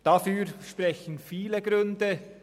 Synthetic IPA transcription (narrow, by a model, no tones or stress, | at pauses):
d̥afyːɾʃpʁɛçən̩fiːleɡɾʏndə